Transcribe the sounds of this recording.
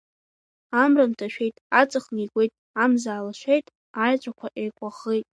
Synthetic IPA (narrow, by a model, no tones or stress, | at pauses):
amrɨmtʰaʃᶣejtʼat͡sʼɨχnikʷʼe̞jtʼ | amzaːlaʃʷᶣejtʼ | ajt͡ʃʷʼakʷʰaʔejkʷʼaχejtʼ